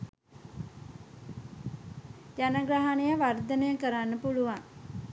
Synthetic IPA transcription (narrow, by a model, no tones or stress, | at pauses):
d͡ʒanaɡɾaɦanejəʋard̪ənəjəkəɾanːəpuluʋaŋ